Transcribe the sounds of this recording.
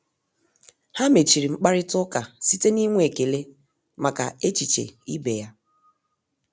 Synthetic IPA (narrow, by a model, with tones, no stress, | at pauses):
ha˦me˨t͡ʃi˨ɾi˨ŋ͡m̩˦k͡pa˦ɾɪ˦tʊ˦ka˨si˦te˦ni˦ŋʷ˦e˨ke˨le˦ | ma˨ka̰˨e˦t͡ʃi˨t͡ʃḛ˨i˦be˨ja˦